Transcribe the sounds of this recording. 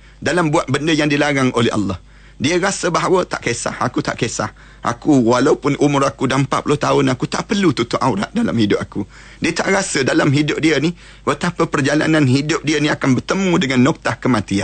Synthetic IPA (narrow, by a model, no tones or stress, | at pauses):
dalambuat̪̚bəndəjaŋdilaɾaŋʔolɛɦɑ̰lːɑh | diəɾasəbaɦawət̪a̰ʔkesa̰hakut̪a̰ʔkesa̰h | ʔa̰kuwalaupʊnʔumʊrakudampa̰ʔpulʊht̪aʊnakut̪a̰ʔpərlut̪ut̪ʊʔawɾa̰ʔ̪̚dala̰mhidʊp̚aku | diət̪aʔrasədalamɦidʊp̚diəni | wət̪apəpərd͡ʒala̰nanɦidʊp̚diəniakanbərt̪əmũdəŋanːɔk̚t̪ahkəmãt̪ia̰n